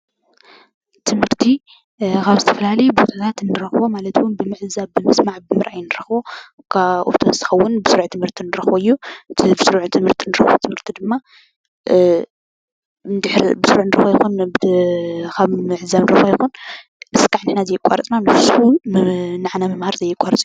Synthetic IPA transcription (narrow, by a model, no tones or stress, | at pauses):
t̪ʰɨmhɨɾt̪ʰi | kʰaβzɨt̪ʰɐ̥fɐlalɐjubot̪ʰat̪ʰat̪nːɨɾɐxβomalɐt̪ʰwʊnbɨmɨʕzaβɨmɐsmaʕbɨmɨɾʔajnɨɾɐxβo | kʰaʔo̰t̪ʰozt̪ʰɨxɐwːʊnbɨsɨɾʕt̪ʰɨmhɨɾt̪ʰinɨɾɐxboɨjːubsɨɾʕt̪ʰɨmhɨɾt̪ʰinɨɾɐxb̰t̪ʰɨmhɨɾt̪ʰid̪ɨmːa | nd̪ɨħɾbɨsɨɾʕnɨɾɐxojxunb | kʰaβmɨʕzaβnɨɾɐxbojxun | ʔɨskʼaʕnɨħnazɐjɪkʼa̰ɾɐt͡sʼnamɨfsu | naʕanamɨmhaɾzɐjɪkʷʼːaɾt͡sʼiju